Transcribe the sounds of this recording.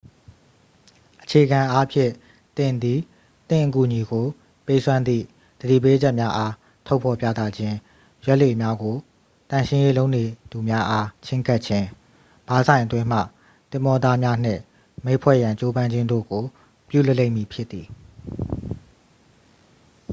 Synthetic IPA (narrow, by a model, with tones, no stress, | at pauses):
ʔət͡ɕʰe˨əɡã˨ʔa˦pʰjɪ̰̃˦˨ | t̪ɪ̃˨nd̪i˨ | t̪ɪ̰̃˦˨ʔəku˨ɲi˨ɡo˨ | pe˦ɪʔsʰwã˦nd̪ðḭ˦˨ | d̪̥ədḭ˦˨pe˦d͡ʑɛ˦ʔmja˦ʔa˦ | tʰo˦pʰɔ˨pja̰˦˨t̪a˦˨d͡ʑɪ̃˦ | jwɛ˦ʔlwe˨mja˦ɡo˨ | tã˨ʃʰɪ̃˦je˦lo˦ʊne˨d̪u˨mja˦ʔa˦t͡ɕʰɪ̃˦ŋka˦˨tt͡ɕʰɪ̃˦ | b̥a˨zʰã˨ɪ̃ʔətwɪ̃˦m̥a̰˦˨ | t̪ɪ̃˨mɔ˦˨d̪a˦mja˦n̥ɪ̰̃˦˨ | mẽ˦˨pʰwɛ̰˦˨jã˨ɲt͡ɕo˦bã˦ɲd͡ʑɪ̃˦ndo̰˦˨ɡo˨ | pjṵ˦˨lə˦lẽ˦ɪ̃˨mi˨pʰjɪ˦t̪ːi˨